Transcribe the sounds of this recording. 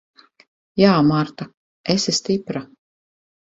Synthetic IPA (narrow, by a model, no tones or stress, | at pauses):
jaːmaɾt̪a | esʲist̪ipɾa